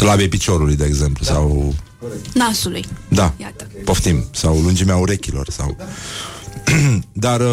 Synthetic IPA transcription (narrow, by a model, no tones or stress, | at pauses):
slabejpit͡ʃo̞ɾulujd̪e̞ːɡze̞mplusaw | nasulujd̪ajapo̞ft̪imsawlund͡ʒimeauɾe̞kʲilo̞̰rsa̰w | d̪ar